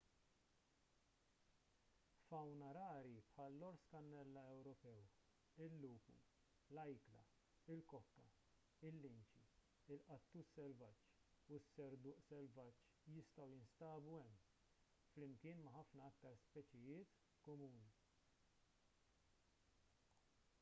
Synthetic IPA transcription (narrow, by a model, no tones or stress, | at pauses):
fɐwnɐɾɐːɾipħɐːlːɔɾskɐnːɛlːɐɛwɾɔpɛw | ɪlːuːpṵ | lɐjklɐ̰ | ɪlkɔkːɐ | ɪlːɪnt͡ʃi | ɪlʔɐt̪ːuːsɛlvɐt͡ʃː | usːɛɾd̪ʊːʔsɛlvɐt͡ʃː | jɪst̪ɐwjɪnst̪ɐːbuɛmː | flɪmkɪːnmɐħɐfnɐɐkt̪ɐɾspɛt͡ʃɪjɪːt̪ | kɔmuːni